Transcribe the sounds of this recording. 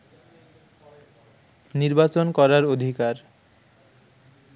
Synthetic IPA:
niɾbat͡ɕonkɔɾaɾod̪ʱikaɾ

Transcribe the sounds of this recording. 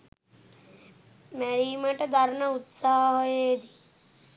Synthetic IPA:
mɛɾiːmɐʈɐd̪ʱɐɾnɐut̪saɦɐɦojeːd̪i

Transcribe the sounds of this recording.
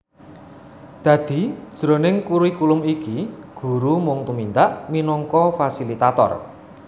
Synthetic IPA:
d̪̥ä̤d̪̥i̤̥ʒ̥ɾo̤nɪŋkuɾuikulʊmikiɡ̥ṳɾumʊŋt̪umint̪aʔminɔŋkɔfasilit̪at̪ɔ̰r

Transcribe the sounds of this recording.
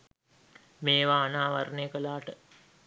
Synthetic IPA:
meːʋaːnaːʋaɾneːkəlaːʈə

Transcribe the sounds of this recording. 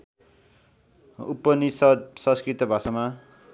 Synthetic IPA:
upːʌnisʌsʌ̃skrit̪ʌbʱasama

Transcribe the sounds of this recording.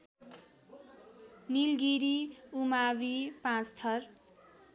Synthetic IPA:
nilɡiɾiumabipãt͡st̪ʰʌr

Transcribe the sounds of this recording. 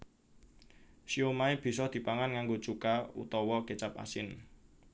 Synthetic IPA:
ʃiomaib̥i̤sɔd̪̥i̤paŋanŋaŋɡot͡ʃukaṵt̪ɔwɔket͡ʃap̚a̰sɪn

